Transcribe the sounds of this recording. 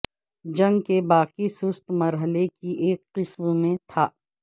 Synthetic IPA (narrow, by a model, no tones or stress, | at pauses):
d͡ʒɐ̃ŋɡkebaːqisʊst̪mɐɾɦəlekiʔeːkːɪsmmẽt̪ʰaː